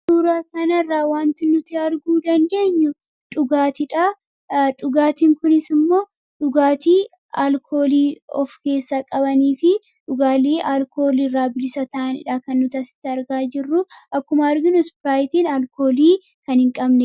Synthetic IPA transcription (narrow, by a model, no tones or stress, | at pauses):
suːɾaːkɐnɐrːaːwaːnt̪ɪnʊt̪ɪɐɾɡuːd̪ɐnd̪e̞ːɲːʊ | ᶑʊɡaːt̪ɪᶑaː | ᶑʊɡaːt̪iːŋkʊnɪsɪmːo̞ː | ᶑʊɡaːt̪iː | alkʰo̞ːliːɔ̰fke̞ːsːaːkʼɐbɐniːfɪ | ᶑʊɡaːleːʔaːlko̞ːlɪrːaːbɪlɪsɐt̪ɐʔɐnɪ̰ᶑaːkɐnːʊt̪ɐsɪ̥t̪ːɪɐɾɡaːd͡ʒɪrːʊʔɐkːʊmɐɐɾɡɪnʊspɪɾaːjt̪iːnalko̞ːliː | kɐnhɪŋkʼɐbnɛ